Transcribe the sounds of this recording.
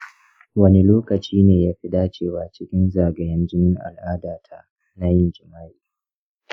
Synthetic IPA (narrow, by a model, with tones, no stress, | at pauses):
wɐ˦ne˦loː˦kɐ˨t͡ʃiː˦neː˨jaː˦ɸɪ˦daː˦t͡ʃeː˦˨waː˨t͡ʃɪ˦kʲɪ˦nzaː˨ɡɐ˨jɐ˦nd͡ʒɪ˦nɪ˦ŋʔa̰˨lʔaː˦daː˨tʰa̰˦ʔ | na˦jɪ˦nd͡ʒɪ˨maː˦jiː˨